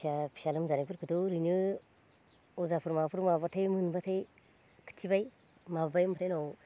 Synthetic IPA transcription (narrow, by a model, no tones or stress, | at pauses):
apʰi̥ʃalɯmzanapʰɯɾkʰɯtoɾinɯ | ozapʰɯɾmapʰuɾmabatʰajmɯnbatʰaj | kʰɨ̥tʰibaj | mabajmʰtʰajnaw